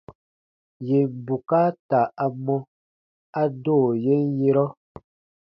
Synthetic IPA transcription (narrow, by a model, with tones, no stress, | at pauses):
je˨m̩˨bu˨ka˦ta˨a˨mɔ˦ | a˦doː˦˨je˦n˦je˦ɾɔ˦